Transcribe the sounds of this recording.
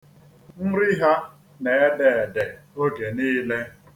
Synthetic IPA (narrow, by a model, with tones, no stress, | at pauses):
n̩˦ɾɪ˦ɦa˦ | ne˨e˦de˨e˨de˨o˦ɡe˨niː˦le˦